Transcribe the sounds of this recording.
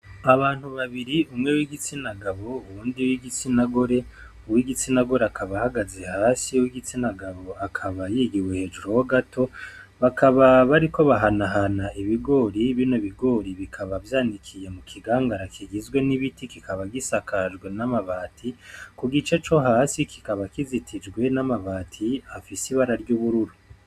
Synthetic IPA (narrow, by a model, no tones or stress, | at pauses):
aβaːn̥huβaβiɾiumŋe̞wiɡit͡sinaɡaβo̞uβuːndiwiɡit͡sinaɡoɾe̞ | uwiɡit͡sinaɡo̞ɾe̞akʰaβahaɡaze̞haːsiuwiɡit͡sinaɡaβo̞akʰaβajiːɡiwehe̞ːd͡ʒuɾo̞woɡatʰo̞ | βakʰaβaβaɾiko̞βaɦanaɦanaʔiβiɡo̞ːɾiβinoβiɡo̞ːɾiβikʰaβavjaːndikʰijemukʰiɡaːŋɡaɾakʰiɡizɡwe̞niβitikikʰaβaɡisakʰad͡ʒɡwe̞namaβaːtʰikuɡit͡ʃe̞t͡ʃo̞ɦaːsikʰi̥kaβakizitʰid͡ʒɡwe̞namaβaːtʰiafisiβaɾaɾɟuːβuɾuɾu